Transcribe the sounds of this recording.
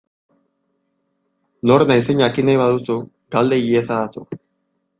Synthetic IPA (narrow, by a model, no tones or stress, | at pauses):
no̞ɾnajseɲakinajβaðusu | ɡald̪e̞ɣiesaðasu